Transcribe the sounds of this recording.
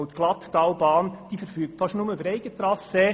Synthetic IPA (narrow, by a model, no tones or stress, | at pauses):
ʊt̪ɡ̥lɑt̪d̥ɑwbɑːnd̥iːfəɾfyːk̚tfɑʃnʊməybəɾɛɪɡ̥ət̪ɾɑsə